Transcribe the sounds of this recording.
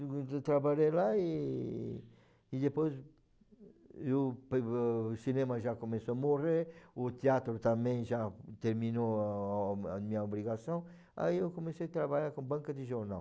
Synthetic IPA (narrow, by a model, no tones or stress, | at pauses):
t̪ɾaβaʎelai | id̪epojs | ewpsinɛ̃mɐʒakomesoamoɾeɾʊt̪eat̪ɾʊt̪amẽj̃ʒat̪eɾmĩno | amĩɐobɾiɣasõw̃ | a̰iewkomesejat̪ɾaβaʎaɾkõbãŋkɐd̪eʒoɾna̰w